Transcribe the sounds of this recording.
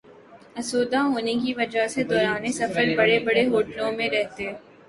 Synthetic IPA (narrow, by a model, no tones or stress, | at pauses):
ɐsoːd̪aɦoːnekiʋɐd͡ʒased̪ɔːɾaːnesɐfəɾbɐɽebɐɽeɦoːʈnõmẽɾɛɦt̪eɛ